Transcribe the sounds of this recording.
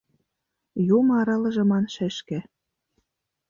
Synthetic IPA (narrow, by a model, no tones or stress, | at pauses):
jumɑɾɑlɤ̆ʒĕmɑnʃĕʃkĕ